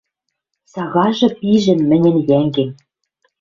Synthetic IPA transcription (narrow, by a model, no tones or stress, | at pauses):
sɑɣɑʒɤ̆piʒɘ̆nmɘ̆nʲɘ̆njæŋɡɘ̆n